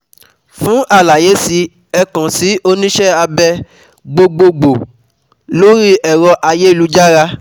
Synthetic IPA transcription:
fũ˨˦ʔa˦˨la˨je˨˦si˧ | ɛ˧kã˨si˨˦o˦nĩ˦ʃɛ˦a˧bɛ˧ | ɡ͡bo˧ɡ͡bo˧ɡ͡bo˨ | lo˦ɾi˦ʔɛ˨ɾɔ˧ʔa˧je˦˨lu˨˦d͡ʒa˦ɾa˧

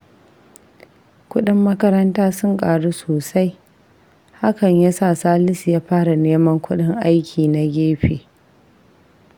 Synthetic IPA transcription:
kʷʊ˦ɗɪ˦mːɐ˦kɐ˦ɾɐ˦ntaː˦sʊ˦ŋkʼaː˨ɽu˦soː˨sa˦j | ha˦kɐ˨ɲja˦sa˦˨saː˦lɪ˦sjaː˦ɸaː˦ɽa˨neː˦mɐ˦ŋkʷʰʊ˦ɗɪ˦ŋʔa˦jkʲʰiː˨na˨ɡʲeː˦ɸeː˨

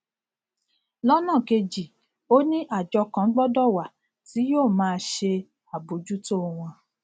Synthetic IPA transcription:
lɔ˦nã˦˨ke˧d͡ʒi˨ | o˦nĩ˦ʔa˦˨d͡ʒɔ˧kã˧˦ɡ͡bɔ˦dɔ˦˨wa˨ | ti˨˦joː˦˨mãː˦˧˦ʃe˧ | a˨bo˨˦d͡ʒu˦to˦˨w̃ɔ̃˧

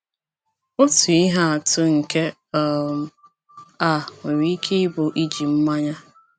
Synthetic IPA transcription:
o˦tu˨i˦ɦa˦a˨tʊ˦ŋ̩˨ke˦ | ɔ˦m̩˨ | a˦˨ŋʊ˨ɾi˦i˦kʰe˦ɪ˦bʊ˨ʔi˦d͡ʒi˨m̩˦ma˦ɲa˦

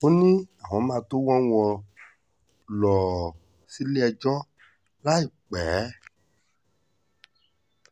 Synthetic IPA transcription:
o˦nĩ˦a˨w̃ɔ̃˨˦mã˧to˦wɔ̃˦w̃ɔ̃˧ | lɔ˨ | si˦li˦ɛ˧d͡ʒɔ˦ | la˦i˦˨k͡pɛ˨˦

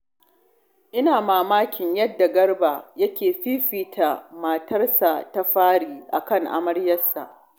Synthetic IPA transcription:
ʔɪ˦naː˨maː˨maː˦kʲɪ˨ɲjɐ˦dːa˨ɡɐ˦rbaː˨jɐ˦kʲeː˨ɸiː˦ɸiː˨tʰa˨maː˨tʰɐ˦rsa˨ta˦ɸaː˦ɽiː˨ʔa̰˨kɐ˦˨ŋʔa̰˨mɐ˦ɽjɐ˦sːa̰˨ʔ

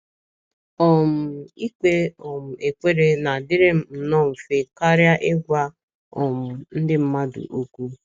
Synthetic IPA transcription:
ɔ˨m̩˨i˦kʷe˦ɔ˨m̩˨e˨kʷe˦ɾe˦na˨dɪ˦ɾe˦m̩˦m̩˨nɔ˦˨m̩˨fe˦ka˦ɾja˦ʔɪ˦ɡʷa˦ | ɔ˨mʊ˨n̩˦dɪ˦m̩˦ma˦dʊ̰˨ʔo˦kʷu˦

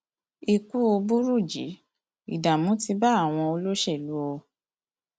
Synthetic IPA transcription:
i˦˧ku˦o˧bu˦ɾu˦˨d͡ʒḭ˨˦ | i˨da˨mũ˨˦ti˧ba˦a˦˨w̃ɔ̃˧o˧lo˦ʃɛ˦˨lu˨˦ɔ˧

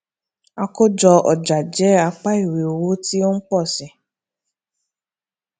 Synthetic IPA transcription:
a˦kʊ˦d͡ʒɔ˧ʔɔ˨d͡ʒa˨d͡ʒɛ˨˦a˦k͡pa˦i˦˨we˨o˨wo˦ti˦o˦ŋ̩˦k͡pɔ˦˨sɪ˨

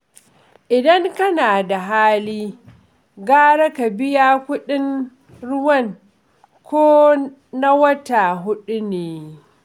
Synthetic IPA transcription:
ʔɪ˨dɐ˦ŋkɐ˦naː˨da˨ɦaː˦liː˦ | ɡaː˦ɽɐ˦ka˨bɪ˦jaː˦kʷʊ˦ɗɪ˦n | ɽʊ˦wɐ˦˨ŋ | kʷoː˦ | na˦wɐ˦ta˨ɦʊ˦ɗu˦neː˨

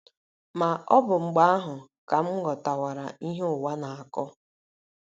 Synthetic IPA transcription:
ma˨ʔɔ˦bʊ˨ŋ͡m̩˨ɡ͡ba˦a˦ɦʊ˨ | ka˨m̩˦ɡɔ˨ta˨wa˨ɾa˨i˦ɦe˦ʊ˨wa˦na˨a˨kɔ˦

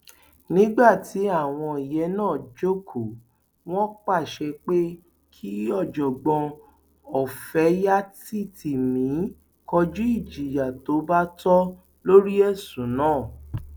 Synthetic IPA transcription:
nĩ˦ɡ͡ba˦˨tʰi˨˦a˦˨w̃ɔ̃˧i˨jɛ˨˦nãː˦˨d͡ʒo˦kʰo˨ | w̃ɔ̃˦k͡pa˦˨ʃɛ˧k͡pe˦ | kʰi˦ɔ˦˨d͡ʒɔ˨ɡ͡bɔ̃˧ | ɔ˨fɛ˨˦ja˦ti˦˨tʰi˨mĩ˨˦ | kɔ˧d͡ʒu˦i˦˨d͡ʒi˨ja˨to˨˦ba˦tɔ˦ | lo˦ɾi˦ɛ˦˨sũ˨nãː˦˨

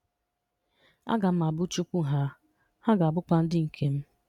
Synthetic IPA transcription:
a̰˦ɡa˨m̩˦ma˨bʊ˦t͡ʃu˦kʷu˦˨ɦa˦ | ha˦ɡa˨a˨bʊ˦kʷa˦n̩˦dɪ˦ŋ̩˨kʰe˦m̩˦

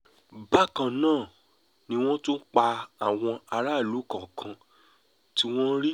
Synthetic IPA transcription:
ba˦kã˧˨nãː˦˨ | nĩ˦w̃ɔ̃˦to˦k͡pa˧a˨w̃ɔ̃˧a˧ɾa˦˨lu˨˦kã˨kʰã˧ | ti˦w̃ɔ̃˦ɾi˦

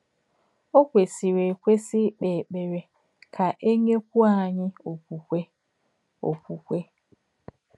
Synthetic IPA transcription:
o˦kʷe˨si˨ɾe˨kʷe˦si˦k͡peː˨k͡pe˨ɾe˨ | kʰa˨ʔe˦ɲe˦kʷu˦a˦ɲɪ˦o˨kʷu˨kʷe˦ | o̰˨kʷu˨kʷe˦

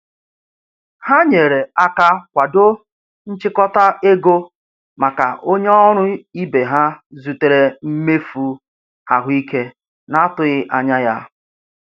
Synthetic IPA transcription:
ha˦ɲe˨ɾe˨a˦ka˦kʷa˨do˦ | n̩˦t͡ʃɪ˦kɔ˦ta˦e˦ɡo˦ | ma˨ka̰˨ʔo˦ɲe˦ɔ˦ɾ̃ʊ˦i˦be˨ɦa˦zu˨te˨ɾe˨m̩˦me˦fu˨ | a˨ɦʊ˦i˦ke˦ | na˦tʊ˨ɣɪ˦ʔa˨ɲa˦ja˦

